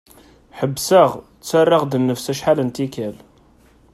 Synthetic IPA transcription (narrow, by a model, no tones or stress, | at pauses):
ħəbːsəʁ | t͡sːarˤːɑʁd̪ənːəfsæʃħalənt̪ikæl